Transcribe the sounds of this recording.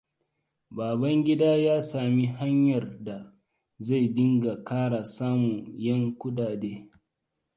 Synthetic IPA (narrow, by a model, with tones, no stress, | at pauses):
baː˨bɐ˦ŋɡʲɪ˦daː˦jaː˦saː˨mi˦ɦa˦ɲjɐ˨rda˨ | za˦˨jdɪ˦ŋɡa˨kaː˦ɽa˨saː˦mu˨jɐ˦ŋkʷʊ˦daː˨deː˦